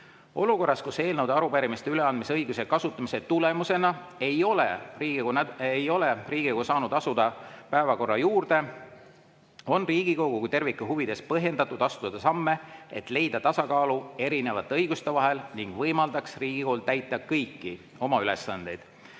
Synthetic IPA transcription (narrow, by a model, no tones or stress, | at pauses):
o̞luko̞rːɑskuse̞ːlnəwd̪̥ɑɾupæɾimist̪eyle̞ɑnd̪̚miseɤjɡuse̞kɑsut̪ːˑɑmise̞t̪ule̞muse̞nɑe̞jo̞leriːɡiɡoejo̞leriːɡ̥i̥osɑːnud̪ɑsud̪̥ɑpæevɑko̞rːɑjuːrd̪̥e̞ | o̞nriːɡ̥iko̞ɡ̥ukujt̪e̞rvikːˑuɦuvid̪e̞spɤɦje̞nd̪ɑt̪ːˑud̪̥ɑst̪uɑd̪ɑsɑmːe̞et̪ˑle̞jd̪̥ɑt̪ɑsɑkɑːlue̞ɾine̞vɑt̪ːˑeɤjɡ̥ust̪e̞vɑɦe̞lniŋɡ̥vɤjmɑld̪ɑksriːɡ̥iko̞ːlt̪æjt̪ːˑɑkɤjkːi | o̞mɑyle̞sːɑnd̪̥e̞jd̪̥